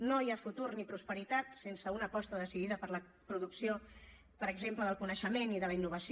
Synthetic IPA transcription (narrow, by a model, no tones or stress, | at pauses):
nojafut̪urnipɾuspəɾit̪at̪sensəunəpɔst̪əðəsiðiðəpəɾlə | pɾuðuksio | pəɾəɡzempləðəlˠkunəʃəmeniðələinːuβ̞əs